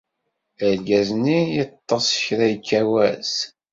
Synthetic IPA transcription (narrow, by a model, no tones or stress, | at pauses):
əɾɡæznijət̪ˤːɑsˤçɾæjkːæwæz